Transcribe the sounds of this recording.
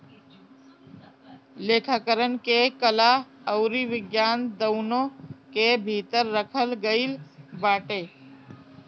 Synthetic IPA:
leːkʰaːkəɾənkekəlaəʊɾiʋɪɡjaːnd̪əʊnõkebʱit̪əɾːəkʰəlɡəɪlbaːʈeː

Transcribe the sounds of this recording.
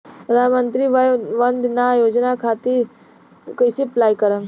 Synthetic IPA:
pɾəd̪ʱaːnmə̃nt̪ɾiʋʋɐnd̪najoːd͡ʒnakʰaːt̪i | kəjsiplaːikəɾə

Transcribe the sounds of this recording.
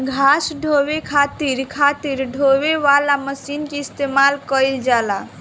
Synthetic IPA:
ɡʱasɖʱobekʰat̪iɾkʰat̪iɾɖʱoweʋalaməsinkeist̪emalkəjld͡ʒala

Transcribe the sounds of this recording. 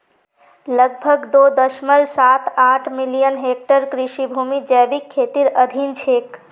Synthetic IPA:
ləɡ̚bʱəɡd̪od̪əʃməlsat̪aʈʰmilijənɦek̚ʈəɾkɾiʃibʱumid͡ʒɛːbikʰːet̪iɾəd̪ʱint͡ʃʰeːk

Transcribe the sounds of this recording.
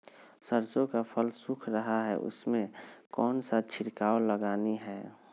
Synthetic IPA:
səɾsõkapʰəlsʊkʰɾəɦaɦɛ̰ʔʊ̰smẽkɔːnsat͡ʃʰɪɾkaːoləɡaːniɦɛː

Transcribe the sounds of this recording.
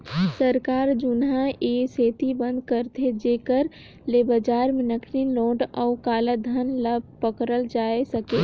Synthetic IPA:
səɾkaːɾd͡ʒʊnɦãeseːt̪ibə̃nd̪̚kəɾt̪ʰed͡ʒeːkəɾ | lebəd͡ʒaːɾmẽnəkʰɾinloːɖɔːkaːlad̪ʱənləbpəkɾəld͡ʒaːesəkeː

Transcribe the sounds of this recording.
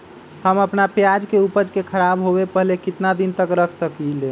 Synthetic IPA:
həməpnapjad͡ʒkeupəd͡ʒkekʰəɾabɦoβepəɦlekit̪nad̪int̪əkɾəkʰsəkile

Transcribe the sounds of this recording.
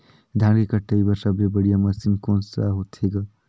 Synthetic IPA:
d̪ʱãɡekəʈːəjbəɾsabɾebəɽijaməsinkonsa̰ɦot̪ʰeɡə

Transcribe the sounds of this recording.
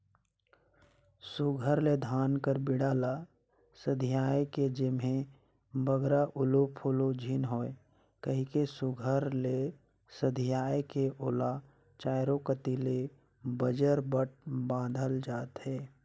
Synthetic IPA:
suɡʱəɾled̪ʱaːnkəɾbɪɽaːla | səd̪ʱijaːeked͡ʒɪme | bəɡɾaʔʊlopʰulod͡ʒʱinɦoːe | kəɦikesuɡʱəɾle | səd̪ʱijaːekeʔoːla | t͡ʃaːɪɾokət̪ile | bəd͡ʒəɾbəʈ̚bãːd̪ʱəld͡ʒaːt̪ɦɛː

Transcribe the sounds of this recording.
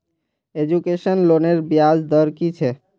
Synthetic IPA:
ed͡ʒukeʃənloneɾbijad͡ʒd̪əɾkit͡ʃʰe

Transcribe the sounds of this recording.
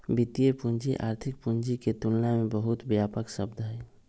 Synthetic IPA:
bit̪ijepũɲd͡ʒiʔa̰ːɾt̪ʰɪk̚pʊɲd͡ʒiket̪ʊlnamẽbəɦʊt̪bjaːpəksəbd̪ʱɦɛː

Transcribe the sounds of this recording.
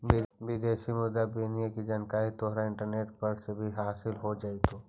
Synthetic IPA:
ibiːd̪eːʃimʊd̪ːabiːnijakid͡ʒɐnkaːit̪oːɦɾaɪ̃ɳʈəɾneːʈpɐɾsebʱiɦaːsɪlɦod͡ʒaːit̪oː

